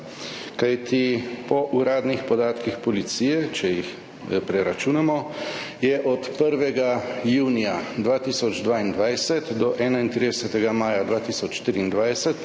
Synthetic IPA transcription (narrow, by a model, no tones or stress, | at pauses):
kajt̪ʰipɔʔuɾaːd̪nixpɔd̪aːt̪kixpɔlit̪siːjɛt͡ʃɛjix | pɾɛɾat͡ʃuːnamɔjɛʔɔt̪pəɾʋɛɡajuːnijad̪ʋaːt̪iːsɔd͡ʒd̪ʋaːind̪ʋajsɛt̪d̪ɔʔɛːnaint̪ɾid̪ɛsɛt̪ɛɡamaːjad̪ʋaːt̪iːsɔt͡ʃʃt̪ɾiːnd̪ʋajsɛt̪